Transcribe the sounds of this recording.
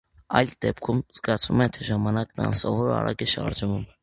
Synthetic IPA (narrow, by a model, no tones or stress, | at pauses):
ɑjld̪ɛp̚kʰumzɡɑt͡sʰvumɛt̪ʰɛʒɑmɑnɑknəɑ̰nsɔvɔɾɑ̰rɑ̰kɛʃɑ̰ɾd͡ʒvum